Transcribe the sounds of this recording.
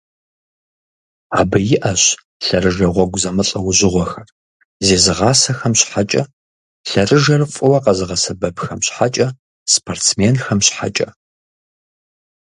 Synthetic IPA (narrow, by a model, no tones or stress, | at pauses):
aːbɨjɪʔɐɕ | ɬɐrɨʒɐʁʷɔɡʷʊzɐmɨɬʼɐwʊʑɪʁʷɔxɐr | zeːzɨʁɑːsɐxɐmɕħat͡ʃʼɐ̰ | ɬɐrɨʒɐrfʼʊwɐqɐzɨʁɐsɐbɐbxɐmɕħat͡ʃʼɐ | spʰortsmeːnxɐmɕħa̰t͡ʃʼɐ̰